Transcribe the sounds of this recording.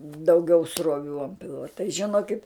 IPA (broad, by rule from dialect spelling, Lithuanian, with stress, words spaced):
dɐʊˈɡʲɛʊ sroːˈʋʲuː ɐnt ˈpʲɪlˠʋɐ tɐɪ ʒʲɪˈnoːkʲɪt